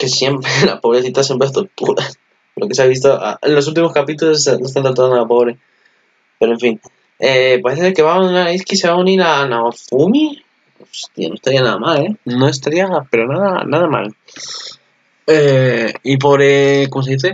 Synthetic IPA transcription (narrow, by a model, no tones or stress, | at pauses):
ke̞sje̞mpɾela̰po̞βɾe̞θit̪asjempɾet̪oɾt̪uɾas | lokeseaβis̬t̪oʔa̰enlo̞s̬ult̪̬imo̞skapit̪ulosnost̪ant̪oɾt̪uanoapo̞βɾe | pe̞ɾoe̞ɱfin | epaɾeθeeke̞βaannaɾiskise̞βauniɾanaβafumi | ost̪ia̰no̞est̪aɾianaða̰male̞noe̞st̪aɾiape̞ɾo̞naða̰naðama̰l | eip̬o̞βɾekomos̬eðiθe